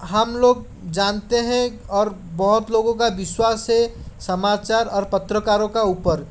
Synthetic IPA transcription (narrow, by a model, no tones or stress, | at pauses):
ɦəmloːɡ̚ | d͡ʒant̪eɦɛ̃ | ɔːɾbəɦʊt̪loɡõkabɪswasɦɛ̃səmat͡ʃaɾɔːɾpət̪ɾəkaɾõkauːpəɾ